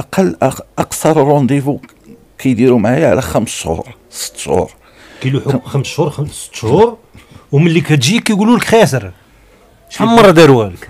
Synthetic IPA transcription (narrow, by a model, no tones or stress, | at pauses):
ʔɑqɑlːʔɑqsɑɾˤɾˤond̪ˤifu | kʰæjd̪iɾumaʕajʕlæxæmsʃhṵɾ | sə̥t̪ːʃhṵɾ | kæjluħuxæmsʃhuɾxsə̥t̪ːʃhuɾwməlːikæt̪ʒikːæjɡululəkxæs̬əɾ | ʃħamːɑrˤːɑd̪iɾwælək